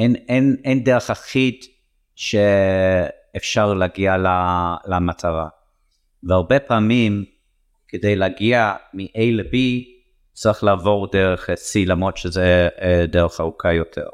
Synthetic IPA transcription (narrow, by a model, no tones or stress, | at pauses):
enenendeʁeχaχid | ʃeː | fʃaʁleaɡialalamatʰaʁa | veaʁbepaːmim | kedejleaɡiamiʔejlebi | t͡saʁiχlaːvo̞ʁdeʁeχsilamʁot̪ʃezedeʁeχaʁukʰajotʰḛʁ